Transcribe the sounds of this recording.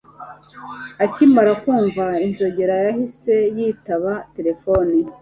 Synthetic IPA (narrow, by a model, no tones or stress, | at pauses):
acimaɾakuːɱvainzo̞ɟe̞ɾajahise̞jiːtaβate̞ɾe̞foni